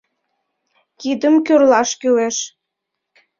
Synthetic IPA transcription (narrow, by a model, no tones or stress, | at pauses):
kid̪əmkyrlɑʃkyleʃ